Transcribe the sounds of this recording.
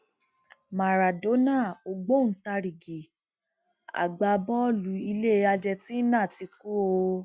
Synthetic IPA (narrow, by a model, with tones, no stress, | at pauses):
ma˨ɾa˨do˨˦na˦˨o˨ɡ͡bo˦˨n̩˨˦ta˧ɾi˨ɡi˨ | a̰˨ɡ͡ba˧bɔ˦lu˨˦i˧le˦a˧d͡ʒɛ˧tĩ˦nã˦˨ti˧ku˦o˧